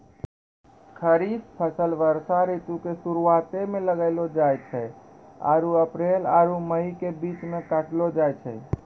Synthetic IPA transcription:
kʰəɾispʰəsəlʋəɾsaɾet̪ukesuɾuat̪emeləɡəɪlod͡ʒajt͡ʃʰɛj | a̰ɾuəpɾelaɾuməikebit͡ʃmekəʈʰlod͡ʒajt͡ʃʰɛ̰j

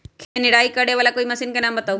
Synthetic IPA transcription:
kʰẽnɪɽaːikɐɽeʋaːlakoːimɐsɪnkenaːmbɐt̪aːu

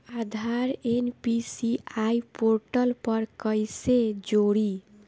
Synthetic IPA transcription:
ad̪ʱaɾenpisiajpoɾʈəlpəɾkəjsed͡ʒoɽi

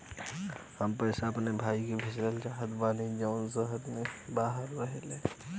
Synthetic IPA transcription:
həmpɛːsaɐpnebʱaːikebʱɪsɾəlt͡ʃaɦəd̪baːnid͡ʒəʊnzəɦəɾmebaːɦəɾːəɦeleː

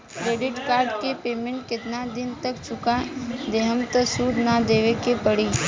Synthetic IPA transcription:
kɾeːɖɪʈkaːɾɖkepeːmẽɳʈkɪt̪nad̪ɪnt̪əkt͡ʃʰʊkad̪eːɦəmt̪əsuːɾnad̪eːʋekepəɽiː

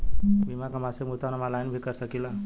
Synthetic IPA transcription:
bimakamasemut̪anəmalajnbʱikəɾsəkila

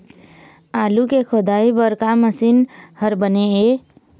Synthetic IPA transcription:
alukekʰod̪aibəɾkaməsinhəɾbənee

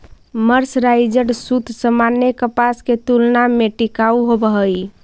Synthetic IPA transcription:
məɾsɾaɪd͡ʒəɽsut̪səmanːekəpasket̪ulnameʈikauɦobəɦəj

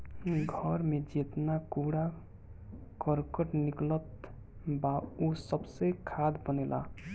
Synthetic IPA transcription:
ɡʱəɾmed͡ʒet̪nakuɽa | kəɾkəʈniklət̪ | baosəbsekʰad̪bənelʔa̰

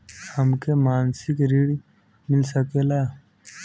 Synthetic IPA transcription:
həmkemaːnsɪkɾiɽ | mɪlsəkelaː

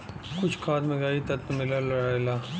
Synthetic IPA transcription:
kʊt͡ʃʰkʰaːt̪mẽɡaːit̪ɐt̪mɪləlaelaː

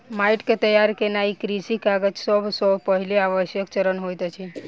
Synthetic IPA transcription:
maiʈket̪əjaɾkenaikɾisikaɡət͡ʃsəbʱsɔpəɦileaʋəʃjək̚t͡ʃəɾənɦojt̪ət͡ʃʰe

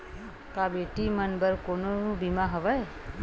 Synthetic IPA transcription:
kabeːʈimənbəɾkononũbimãɦəʋəe

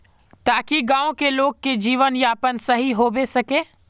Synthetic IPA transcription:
t̪aːkiɡãːõkeloːɡ̚ked͡ʒiːʋənjaːpənsɐɦiɦoːbesɐkẽː

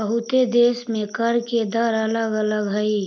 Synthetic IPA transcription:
əɦʊt̪ed̪eːsmẽkəɾked̪əɾələɡələɡɦəi

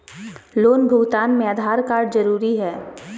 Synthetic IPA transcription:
loːnbʱʊɡt̪aːnmẽəd̪ʱaːɾkaːɾɖzɐɾuːɾiɦɛː

